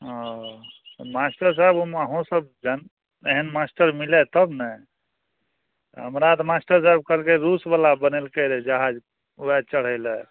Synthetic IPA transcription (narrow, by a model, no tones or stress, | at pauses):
ɦɔ̃t̪masʈəɾs̬ajbuməɦõsəbd͡ʒan | eɦənmasʈəɾmilɛt̪əbnɛ | ɦəmɾat̪masʈəɾsajb̚kəlkeɾusbəlabənelkeɾɛd͡ʒaɦad͡ʒ | uɛt͡ʃəɽ̤əɪlɛ